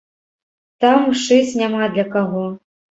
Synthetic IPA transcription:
t̪amuʂɨsʲnʲamad̪lʲɐkaɣɔ

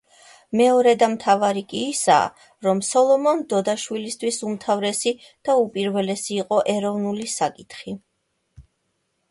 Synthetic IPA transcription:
mɛɔɾɛd̪amt̪ʰavaɾikʼiːsa̰ː | ɾɔmsɔlˠɔmɔnd̪ɔd̪aʃwilist̪ʰwisumt̪ʰavɾɛsi | d̪̥aupʼiɾvɛlɛsiːqʼɔʔɛɾɔvnulisakʼit̪χi

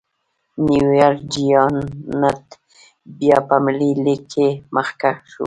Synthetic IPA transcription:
nujɑɾkd͡ʒijɑnnat̪ | bjɑpamlilikʰeməxkaxʃṵ

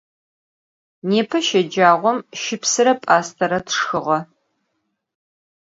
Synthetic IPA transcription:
neːpʰɐʃɐd͡ʒaːʁʷɔmʃɪpsɨɾɐpʼaːstʰɐɾɐtʰʂxɨʁɐ

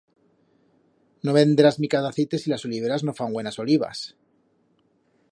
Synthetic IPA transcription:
noβe̞nd̪elazmikaðaθet̪e̞silaso̞liβeɾazno̞faŋɡwe̞naso̞liβa̰s

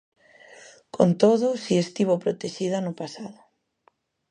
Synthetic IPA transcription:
kont̪oðʊsiest̪iβopɾot̪eʃiðanʊpasaðʊ

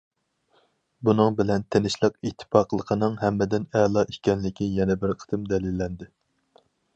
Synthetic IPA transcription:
bunɨŋbɪlɛnt̪ʰenɪʃlˠəqit̪ʰːɪ̥pɑːqʰlˠəqʰənɨŋɦɛmːɪd̪ɪnɛlˠɑʔikʲɛnlɪkʲijɛnɛbɪɾqʰə̥t̪ɨmd̪ɛlɪlːɛnd̪ɪ

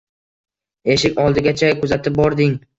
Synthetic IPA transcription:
e̞ʃɪkʲɒlˠd̪ɪɡʲat͡ʃʰakʰʊzat̪ʰɪp̚bɒɾd̪ɪŋ

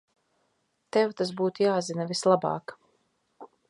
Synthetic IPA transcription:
t̪ɛwt̪as̬buːt̪jaːzinavʲislˠabɑ̰ːk

